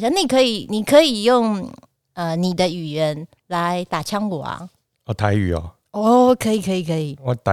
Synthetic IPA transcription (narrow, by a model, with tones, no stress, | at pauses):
ɕjɑ˥ŋni˨˩kʰə˧˥i˨˩ni˨˩kʰə˧˦i˨˩jʊ˥˩ŋ | ə˧ni˨˩d̪ə˦y˨˩ɥə˧˦n | la˧˦ɪt̪a˨˩t͡ɕʰjɑ˥ŋwɔ˨˩ɐ̰˦ | ɔ˧˨˩t̪ʰa˧˦ɪy̰˨˩ɔ̰˨˦ | ɔ˥˩˨kʰə˧˦˥i˨˩kʰə˧˦i˨˩kʰə˧˥i˨˩ɔ˨˦t̪a˨